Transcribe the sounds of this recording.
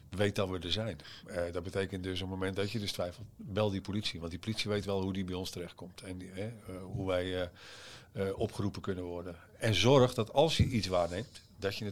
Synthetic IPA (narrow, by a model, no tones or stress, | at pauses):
ʋejt̚dɔtʋədəzɛjndɔt̚bətejkəntdøsopmomɛntdɔtjədøstʋɛjfəl̩ˠtʋɛlˠdipolisiʋɑ̃ntdipolitsiʋejtʋɛlˠɦudibɛjɔnstərɛxt̚kɔmtʰɛnɛɦuʋɛj | ɔpχərupənkønənʋɔrdən | ɛnzɔrχdɔtɑlˠsjəʔisʋaːrnejmt | dɔtjənə